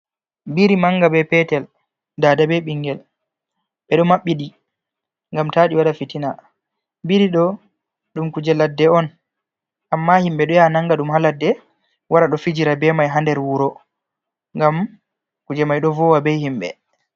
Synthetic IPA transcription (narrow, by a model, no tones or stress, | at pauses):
biɾimaŋɡabɛpɛtɛl | dadabɛɓiŋɡɛl | ɓɛɗɔmaɓːiɗi | ŋɡamtaːɗiwaɗafitina | biɾiɗɔ | ɗumkud͡ʒɛladːɛɔn | ʔamːahimɓɛɗɔjanaŋɡaɗumhaladːɛ | waɗaɗɔfid͡ʒiɾabɛmajɦandɛɾwuɾɔ | ŋɡam | kud͡ʒɛmajɗɔvɔwabɛjhimɓɛ̰